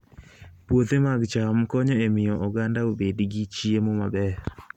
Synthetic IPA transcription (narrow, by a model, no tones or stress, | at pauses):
pwot̪emaɡt͡ʃamkɔɲɔemɪjɔʔɔɡandaobedɡit͡ʃiemomabɛ